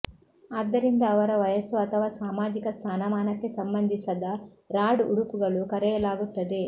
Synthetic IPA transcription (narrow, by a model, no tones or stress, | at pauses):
aːd̪ːɐɾind̪ɐːʋɐɾɐʋɐjɐsuɐt̪ʰɐʋaːsaːmaːd͡ʒikɐst̪ʰaːnɐmaːnɐkːe̞sɐmbɐnd̪ʱisɐd̪ɐ | ɾaːɖuɽupuɡɐɭukɐɾɛjɐlaːɡut̪ːɐd̪e̞